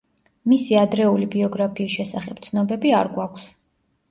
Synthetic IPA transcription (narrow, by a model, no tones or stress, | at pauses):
misiad̪ɾɛulibiɔɡɾapʰiːsʃɛsaχɛp̚t̪sʰnɔbɛbiaɾɡwakʷʰs